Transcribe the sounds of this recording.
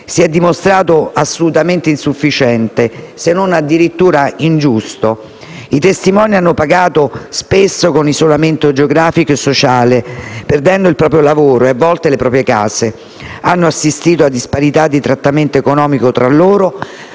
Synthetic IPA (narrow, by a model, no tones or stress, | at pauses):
siɛd̪ːimost̪ɾaːt̪oasːolut̪ament̪einsufːit͡ʃɛnt̪esenːonad̪ːiɾit̪ːuːɾaind͡ʒust̪o | it̪est̪imɔːnianːopaɡaːt̪ospesːokonizolament̪od͡ʒeoɡɾaːfikoesːot͡ʃaːleperd̪ɛnd̪oilpɾɔːp̬ɾjolavoːɾoeavːɔlt̪elepɾɔːpɾjekaːse | anːoasːist̪iːt̪̬oad̪ːispaɾit̪ad̪ːit̪ɾat̪ːament̪oekonɔːmikot̪ɾalːoːɾo